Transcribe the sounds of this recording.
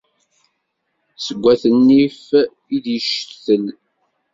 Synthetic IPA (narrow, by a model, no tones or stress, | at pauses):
səɡʷːæθənːif | iðjəʃθəl